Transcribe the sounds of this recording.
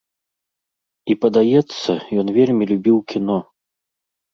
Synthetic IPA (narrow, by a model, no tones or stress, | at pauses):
ipɐd̪ajɛt̪sːɐjɔnvʲelʲmʲilʲubʲiwkʲin̪ɔ